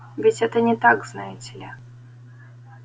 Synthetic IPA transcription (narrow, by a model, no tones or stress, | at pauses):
vʲɪtʲɛt̪ənʲɪt̪aɡznajʊtʲɪlʲa